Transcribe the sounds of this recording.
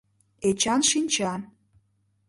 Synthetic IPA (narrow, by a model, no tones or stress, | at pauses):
et͡ɕɑnʃinʲt͡ɕɑn